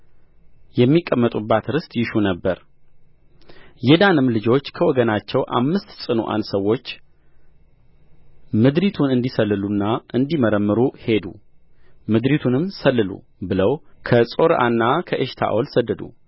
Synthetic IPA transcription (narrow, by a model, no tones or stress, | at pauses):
jɛmːikʼːəmːət̪ʼubːat̪ɾɨst̪ʼjɪʃunəbːəɾ | jɛd̪anɨmlɨd͡ʒo̞t͡ʃːkʰəwɔɡənat͡ʃːɛwʔa̰mːɨst̪sʼɨnṵʔa̰nsəwːo̞t͡ʃː | mɨd̪ɾit̪ʰunɨnd̪isəlːɨlunːaʔɨnd̪iməɾəmːɨɾuhe̞d̪ṵ | mɨd̪ɾit̪ʰunɨmsəlːɨlṵ | bɨləwkʰəsʼo̞ɾʔa̰nːakʰəʔeʃt̪ʰa̰ʔolsəd̪ːəd̪ṵ